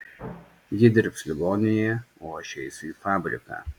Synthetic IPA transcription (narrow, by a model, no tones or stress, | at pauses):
jɪd̪ʲɪɾpsʲlʲɪɡɔːnʲɪjɛoːɐʃʲɛɪsʲʊifaːbʲɾʲɪ̰kɑ̰ː